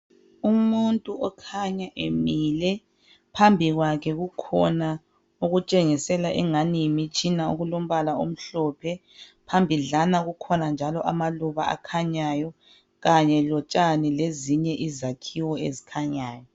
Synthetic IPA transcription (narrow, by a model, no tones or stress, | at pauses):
umuntʼuɔkʰaɲaʔemilɛ | pʰambʱiɣwakʰɛɣukʰɔna | uɣut͡ʃʼeŋisɛlaʔɛŋanimit͡ʃʰʼinaoɣulom̩βalaom̩ɬɔpʰɛ | pʰambʱiɮanaɣukʰɔnand͡ʒʱalɔʔamaluβa̰a̰kʰaɲajɔ | ɣaɲɛlɔt͡ʃʼanileziɲɛʔizakʰiwɔḛzi̥kʰaɲaːjɔ